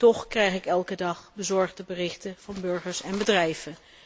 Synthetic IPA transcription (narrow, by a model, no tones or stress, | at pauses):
tɔχkrɛjχɪkɛlˠkədɑχbəzɔɹχdəbərɪχtəv̥ɑnbɵɹχəɹsɛnbədrɛjv̥ən